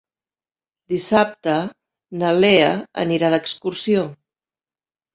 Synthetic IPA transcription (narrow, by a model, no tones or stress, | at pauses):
d̪isap̚t̪ə | nəleəə̰niɾaðəkskuɾsio